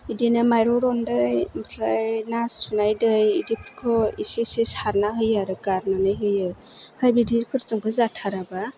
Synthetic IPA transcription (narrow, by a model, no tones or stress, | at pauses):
idinamajɾɔɾɔndɯjmpʰlajnasunajdɯjidipʰɾkʰɔisisesaɾnaɦɯjaɾɯɡaɾnanɯjɦɯjɯ | hajbidikʰɯɾsɯŋbɯzatʰaɾaba